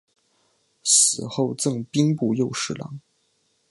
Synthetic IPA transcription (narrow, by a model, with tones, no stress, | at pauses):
sɹ̩˨˩xo˥˧ʊt͡sɤ˥˧ŋpi˥ŋpu˥˧jo˥˧ʊʂɻ̩˥˩lɑ̰˧˥˦ŋ